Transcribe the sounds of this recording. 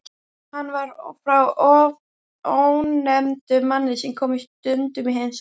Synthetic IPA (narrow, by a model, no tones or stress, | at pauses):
hanːvaɾfɾawɔv | ownɛmt̪ʏmanːɪðsɛmkʰɔːmist̪ʏnt̪ʏmiɦens